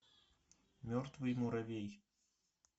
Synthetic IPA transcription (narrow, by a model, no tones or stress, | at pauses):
mʲɔrt̪vɨjmuɾavʲej